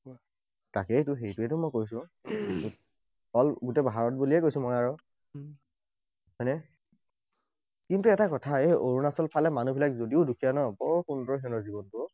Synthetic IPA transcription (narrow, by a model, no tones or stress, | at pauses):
takɛtʊxejtuɛtʊmɔjkojs̬ʊ̃ɡ | ɔlɡutɛbaɦaɹɔt̚buliɛkojsʊ̃mɔjaɹɔ | ɦɔjnɛ | kintuɛtakɔtʰaeʔoɹunasɔlpʰalɛmanubʱilakzodiʊdukʰijanɔbɔɹkʊntɔɦɛnɔzibɔntʊ